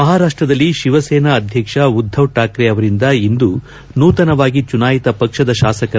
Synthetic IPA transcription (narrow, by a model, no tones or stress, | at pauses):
ɐɦaːɾaːʂʈɾɐd̪ɐlːiʃiʋɐseːnɐːd̪ʱjɐkʂɐud̪ʱːɐʋʈaːkɾɛɐʋɐɾind̪ɐind̪u | nuːt̪ɐnɐʋaːɡit͡ʃunaːjit̪ɐpɐkʂɐd̪ɐʃaːsɐkɐ